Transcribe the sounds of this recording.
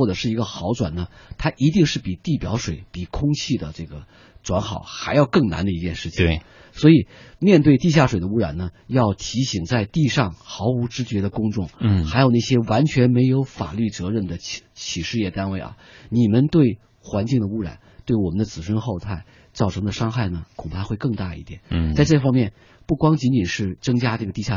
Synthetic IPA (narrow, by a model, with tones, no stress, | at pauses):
ɔ˥˩ʈ͡ʂɤ˨˩ʂɻ̩˥˩i˧˥ɡə˧xɑ˧˥ʊʈ͡ʂwa̰˨˩nnə˦t̪ʰa˥ʔi˧˥t̪i˥˧ŋʂɻ̩˥˩pi˨˩t̪i˥˩pjɑ̰˧˥ʊʂwe˨˩ɪpi˨˩kʰʊ˥ŋt͡ɕʰi˥˩d̪ə˩ʈ͡ʂɤ˥˩ɡə˩ | ʈ͡ʂwa˧˥nxɑ˨˩˦ʊxa˧˥ɪjɑ˥˧ʊkɤ˥˩ŋna̰˧˥nd̪ə˧i˧˥t͡ɕjɛ˥˧nʂɻ̩˥˩t͡ɕʰi˨ŋ | swɔ˧˥i˨˩mjɛ˥˧nt̪̬we˥˧ɪt̪i˥˧ɕ̬ja˥˩ʂwe˨˩ɪd̪ə˦u˥ɻa̰˨˩nnə˦jɑ˥˩ʊt̪ʰi˧˥ɕi˨˩ŋt͡sa˥˧ɪt̪i˥˧ʂɑ˥˩ŋxɑ˧˥ʊu˧˥ʈ͡ʂɻ̩˥t͡ɕɥɛ˧˥d̪ə˧kʊ˥ŋʈ͡ʂʊ˥˩ŋxa˧˥ɪjo˨˩na˥˩ɕjɛ˥wa˧˥nt͡ɕʰɥɛ˧˥nme˧˥ɪjo˧˥ʊfa̰˨˩ly˥˩t͡sɤ˧˥ɻə˥˩nd̪ə˩t͡ɕʰi˨˩ʂɻ̩˥˧jɛ˥˩t̪a˥nwe˥˩ɪʔɐ̰˩ni˨˩mə˦nt̪we˥˩ɪ | xwa˧˥nt͡ɕi˥˩ŋd̪ə˩u˥ɻa̰˨˩˦nt̪we˥˩ɪwɔ˨˩mə˦nd̪ə˧t͡sɹ̩˨˩ʂwə˥nxo˥˧ʊt̪ʰa˥˩ɪ | t͡sɑ˥˩ʊʈ͡ʂʰɤ˧˥ŋd̪ə˧ʂɑ˥ŋxa˥˩ɪnə˩kʰʊ˨˩ŋpʰa˥˧˥xwe˥˧ɪkɤ˥˧ŋt̪a˥˩ḭ˥˩t̪jɛ̰˨˩˦a˥˧ɪʈ͡ʂɤ˥˩fɑ˥ŋmjɛ˥˩n | pu˥˩kwɑ˥ŋt͡ɕi˧˥nt͡ɕi˨˩nʂɻ̩˥˩t͡sɤ˥ŋt͡ɕja˥ʈ͡ʂɤ˥˩ɡə˩t̪i˥˧˩ɕja˥